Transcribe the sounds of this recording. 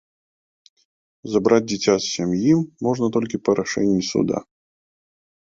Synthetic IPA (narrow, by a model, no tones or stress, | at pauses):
zabɾad͡zʲdʲɪt͡sʲassʲamjiːɔʐnɐt̪ɔlʲkʲipɐɾaʂɛnʲːisṵd̪a̰